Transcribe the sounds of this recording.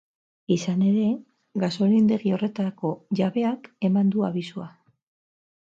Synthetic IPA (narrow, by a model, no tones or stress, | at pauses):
isane̞ɾe̞ | ɡaso̞lind̪e̞ɣio̞re̞t̪ako̞ʝaβe̞ake̞mand̪ua̰βisua